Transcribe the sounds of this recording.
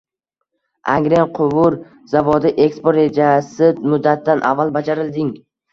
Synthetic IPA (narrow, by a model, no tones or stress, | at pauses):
ʔa̰ŋɡɾenqʰʊwʊɾ | z̥avɒd̪ɪʔe̞kspoɾɾe̞d͡ʒasɪmʊd̪ːat̪ʰːanʔa̰vːalˠbad͡ʒaɾɪld̪ɪŋ